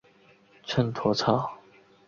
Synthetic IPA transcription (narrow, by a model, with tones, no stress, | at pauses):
t͡ʃʰə˥˨nt̪ʰwɔ˧˥˦t͡sʰa˥˩